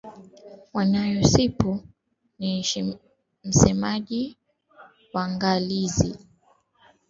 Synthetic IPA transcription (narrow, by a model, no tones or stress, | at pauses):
wanajɔsipu | ni | m̩sɛmaʄi | waŋɡalizi